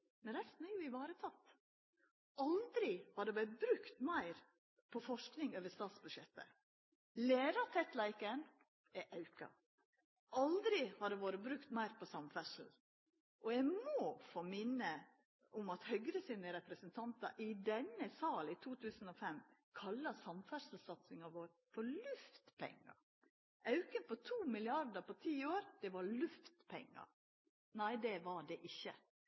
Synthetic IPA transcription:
mɛnɾɛst̪nyəɪʋɑːɾət̪ʰɑt̪ː | ʔɑld̪ɾɪhɑɖɛbɑbɾʉkt̪mæɪɾ | pʰɔfɔʂknɪŋoːʋəst̪ɑːt̪sbʉʂjɛt̪ːə̰ | leːɾɑt̪ʰɛt̪læɪkən | ɛʔɑʉkɑ̰ | ʔɑld̪ɾɪhɑɖɛʋoːɾəbɾʉkt̪mæɪɾpʰɔsɑmfæʂl̩ | ʔɔɛɪmoːfoːmɪnːə | ʔʊmɑt̪hœɡɾəsiːnəɾɛpɾəsənt̪ʰɑnt̪ɑ̰ʔɪd̪ɛnːəsɑːlɪt̪ʰuːt̪ʰʉːsən̩ɔfɛmkʰɑlːɑsɑmfæʂl̩sɑt̪sɪŋɑʋoːɾ | fɔɾlʉft̪pʰɛ̰ŋːɑ̰ | ʔɑʉkənpɔt̪ʰuːmɪlɪɑɾd̪əpɔt̪ʰiːoːɾd̪̥ɛʋɑɾlʉft̪pʰɛ̰ŋːɑ̰ | næɪd̪ɛʋɑɖɛʔɪçːə

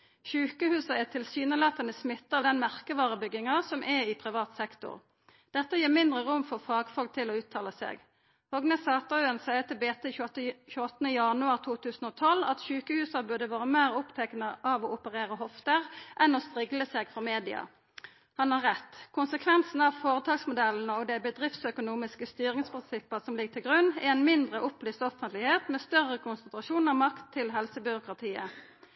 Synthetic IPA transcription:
çʉːkəhʉːsɑɛt̪ʰɪlsyːnəlɑːt̪ənəsmɪt̪ːəɑʋd̪ɛnmæʁkəʋɑːʁəbʏɡɪŋɑsɔmʔɛɪpʰʁɪʋɑːt̪sɛkt̪ʊ̰ʁ | d̪̥ɛt̪ːəjiːʁmɪnd̪ʁəʁʊmːfɔʁfɑːɡfɔlk̚t̪ʰɪloːʉːt̪ʰːɑːləsḛːɡ | hɔɡnəsɑːt̪əøːənsæɪət̪əbeːt̪əəçʉːəɔt̪ːənəjɑnʉɑːʁt̪ʰuːt̪ʰʉːsn̩oːt̪ʰɔlːɑt̪çʉːkəhʉːsɑbʉʁd̪əʋɑːɾəmæːʁʊpt̪ʰɛknəʔɑʋɔʔʊpəʁeːɾəhɔft̪əʁʔɛnoːst̪ʁɪɡləseːɡfʁɑmeːd̪ɪɑ̰ | hɑnhɑʁɛt̪ːkʰʊnsəkʰʋɛnsn̩ɑʋfoːʁət̪ʰɑːɡsmʊd̪ɛln̩əɔd̪ɛbəd̪ʁɪft̪sœkʊnuːmɪskəst̪yːɾɪŋspʰʁɪnsɪpːəsɔmlɪɡət̪ʰɪlɡʁʉnːɛɛnmɪnd̪ʁəʔʊplyːst̪ɔfənt̪lɪheːt̪mɛːst̪œʁːəkʰʊnsənt̪ʁɑʃuːnɑʋmɑkt̪ʰːɪlɦɛlsəbʏʁʊkʁɑt̪ʰiːə̰

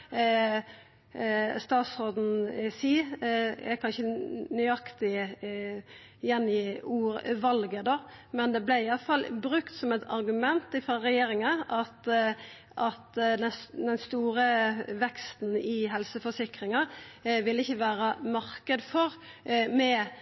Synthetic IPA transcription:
st̪ɑːt̪sod̪n̩siːɛ̰ɾkʰɑnçənyɑkt̪ɪ | jɛnːɪuːɾʋɑlɡəd̪oːmɛnd̪ɛblæɪjɑləfɑlːbɾʉkt̪sɔmɛt̪ʰɑɾɡʉmɛnt̪ɪfɾɑɾɛjeːɾɪŋɑʔɑt̪ | ʔɑt̪d̪ɛsd̪ɛnst̪uːɾəʋɛkst̪n̩ɪɦɛlsəfɔsɪkɾɪŋɑʋɪlːəɪçːəʋæːɾəmɑɾkəd̪fɔɾ | mɛ

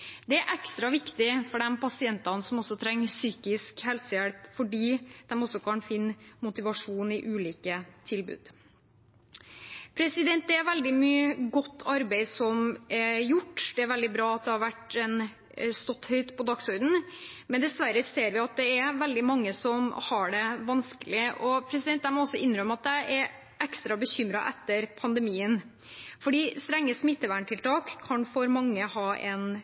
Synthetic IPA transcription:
d̪ɛæɾʔɛkst̪ɾɑʋɪkt̪ɪfɔɖɛmpʰɑsɪɛnt̪ɑnsɔmɔsːɔt̪ʰɾɛŋːsyːkɪskhɛlsəjæɽpfɔɖiːd̪̥ɛmɔsːɔkʰɑnfɪnːmʊt̪ɪʋɑʂuːnɪʔʉːliːkət̪ʰɪlbʉ̰ːd̪ | pʰɾɛsɪd̪ɛnt̪̚d̪ɛæɾʋɛld̪ɪmyːəɡɔt̪ʰːɑɾbɛɪsɔmjʊʈːd̪̥ɛæɾʋɛld̪ɪbɾɑːɑt̪̚d̪ɛhɑɾʋæʈːɛn | st̪ɔt̪ːhœʏt̪pʰɔd̪ɑksɔɾd̪n̩mɛnd̪ɛsʋæɾəseːɾʋɪɑt̪̚d̪ɛæɾʋɛld̪ɪmɑŋːəsɔmhɑɖɛʋɑnskəlɪʔɔpʰɾɛs̬ɪd̪ɛnt̪ːæɪmɔɔsːɔʔɪnːɾœməɑt̪̚d̪æɪʔɛɾ | ʔɛkst̪ɾɑbəɕʏmɾɑ̰ʔɛt̪ːəɾpʰɑnd̪əmiːən | fɔɖiːst̪ɾɛŋːəsmɪt̪ːəʋæɳʈʰɪlt̪ʰɑːkʰːɑnfɔɾmɑŋːəhɑːʔɛ̰n

